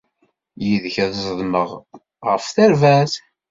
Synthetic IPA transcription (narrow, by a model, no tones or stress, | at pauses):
jiðəçæðzˤəðˤməʁ | ʁəfθæɾvæθ